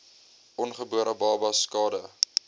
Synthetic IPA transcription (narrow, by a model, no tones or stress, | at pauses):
ʔɔnχəbuəɾʔəbɑːbɐskɑːdə